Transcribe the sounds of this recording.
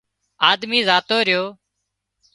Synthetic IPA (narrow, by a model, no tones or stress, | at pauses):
aːd̪miːzaːt̪oːɾɪjoː